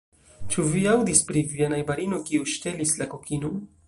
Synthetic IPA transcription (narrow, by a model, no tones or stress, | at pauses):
t͡ʃuviawdispɾivianajbaɾinokiuʃtelislakokʰinon